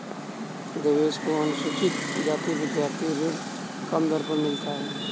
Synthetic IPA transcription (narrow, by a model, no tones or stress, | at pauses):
d̪əʋeːskoanʊsut͡ʃɪt̪d͡ʒaːt̪iʋɪd̪jaːɾt̪ʰijõleɡ | kəmd̪əɾpənmɪlt̪aɦɛː